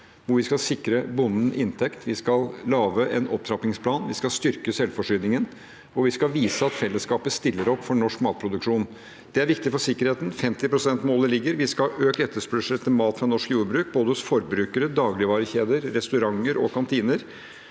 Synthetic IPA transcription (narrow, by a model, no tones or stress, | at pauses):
ʋʊɾʋɪskɑlsɪkɾəbʊnːən̩ʔɪnt̪ʰɛkt̪ʰʋɪskɑllɑːʋəʔɛnɔp̚t̪ʰɾɑp̪ɪŋspʰlɑːnʋɪskɑlst̪ʏɾkəsɛlfɔʂʏːd̪ɪŋən | ʋʊʋɪskɑlʋiːsəɑt̪fɛlːəskɑːpəst̪ɪlːəɾɔpfɔɳɔʂkmɑːt̪̚pʰɾʊd̪ʉkʂuːn | d̪̥ɛæɾʋɪkt̪ɪfɔʂɪkəɾheːt̪n̩fɛmt̪ɪpɾʊsɛnt̪moːləlɪɡːəɾʋɪskɑøːkɛt̪ːəʂpʉʂəlt̪ʰɪmɑːt̪fɾɑnɔʂkjuːɾbɾʉːk̚boːd̪əhʊsfɔɾbɾʉːkəɾəd̪ɑːɡlɪʋɑːɾəçeːd̪əɾːɛst̪ʉɾɑŋəɾɔ̰kɑnt̪ʰiːnəɾ